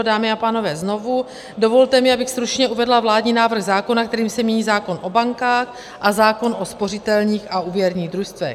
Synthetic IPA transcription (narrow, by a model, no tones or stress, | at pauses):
daːmɪapaːno̞vɛːzno̞vu | do̞vo̞lt̪ɛmɪabɪxst̪ɾut͡ʃɲɛʔuvɛdlavlaːdɲiːnaːvr̩ɣzaːkonak̚t̪ɛɾiːmsɛmɲɛɲiːzaːko̞nʔo̞baŋkaːx | ʔazaːko̞nʔo̞spo̞rɪt̪ɛlɲiːxauːvjɛɾɲiːɣd̪ɾust̪vɛ̰x